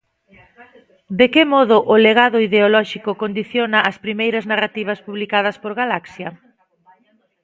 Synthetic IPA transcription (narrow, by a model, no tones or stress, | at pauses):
d̪ekɪmɔðʊʔʊleɣaðʊiðeolɔʃikokond̪iθjonaːspɾimejɾɐznarat̪iβ̞ɐspuβlikað̞ɐspoɾɣalaksjɐ